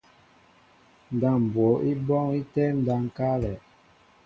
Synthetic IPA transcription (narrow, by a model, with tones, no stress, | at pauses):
n̩˨da˦˨m˨bwɔ˨˦ʔi˦bɔ˦ŋi˦tɛ˦n̩˦da˦ŋ˨ka˦lɛ˨